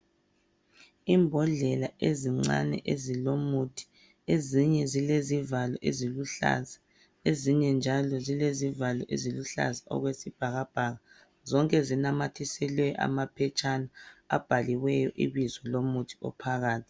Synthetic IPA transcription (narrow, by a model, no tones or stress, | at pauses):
imbʱɔɮɛlaʔeziŋ͡ǀa̰nɛ̰ʔezilomutʰi̥ | eziɲɛzilezivalɔʔeziluɬa̰za | eziɲɛnd͡ʒʱalɔzilezivalɔʔeziluɬa̰zaʔɔ̰ɣwesib̥ʱaɣab̥ʱaːɣa | zɔŋkʼɛzinamatʰisɛlwɛʔa̰mapʰɛt͡ʃʼanaa̰b̥ʱaliwɛjɔʔḭβizɔlomutʰi̥ɔ̰pʰaɣaːtʰi̥